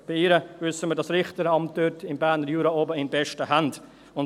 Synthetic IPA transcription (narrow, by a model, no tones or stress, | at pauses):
b̥ɪɪːɾəvʏsəməɾdɑsɾɪχtəɾɑmt̚døtɪmbæːɾnəɾjuːɾɑoːbəɪnbɛʃtəhænt | ʊn